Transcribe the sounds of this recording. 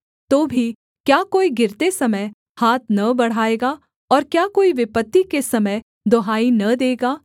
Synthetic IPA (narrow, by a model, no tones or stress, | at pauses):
t̪oːbʱi | kjaːkoːiɡɪɾt̪esɐməj | haːt̪̚ʰnɐbɐɽ̤aːeːɡaː | ɔːɾkjaːkoːiʋɪpət̪ːikesɐməj | d̪oːɦaːinɐd̪eːɡaː